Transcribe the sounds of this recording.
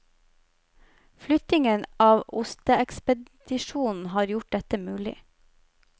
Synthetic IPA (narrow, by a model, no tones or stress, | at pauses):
flʏt̪ɪŋənɑːʋʊst̪əɛkspəd̪̥ɪʃuːnn̩hɑːɾjʊʈ̚d̪ɛt̪əmʉːlɪ̰